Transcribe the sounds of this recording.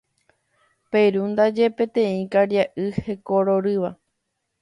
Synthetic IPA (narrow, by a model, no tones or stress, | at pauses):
peɾund̪ad͡ʒe̞pẽ̞t̪ẽ̞ĩkaɾjaʔɨhe̞koɾoɾɨʋa